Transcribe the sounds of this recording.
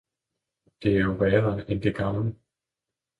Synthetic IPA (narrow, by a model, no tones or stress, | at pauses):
d̥e̝æɐjo̝ʋɛːɐnend̥eɡ̥ɑ̈mlə